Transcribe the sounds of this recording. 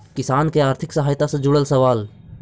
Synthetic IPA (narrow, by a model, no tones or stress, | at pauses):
kɪsaːnkeaːɾt̪ʰɪksəɦaːjt̪asẽd͡ʒʊɽəlsəʋaːl